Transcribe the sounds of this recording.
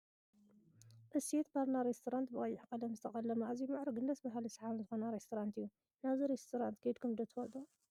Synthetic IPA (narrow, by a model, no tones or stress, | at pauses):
ʔɨset̪baɾnaɾest̪ʰoɾant̪bɨkʼɐjːɪħkʼɐlɐmzɨt̪ʰɐkʼɐlːɐmɐazimaʕɾɐɡɨnd̪ɐsbaɦalisʕaβɨnzɨxonaɾest̪ʰoɾant̪ʰɨjːu | naβziɾest̪ʰoɾant̪kʰɐjd̪kʰumd̪ɐt̪ʰɨfɐlt̪ʼu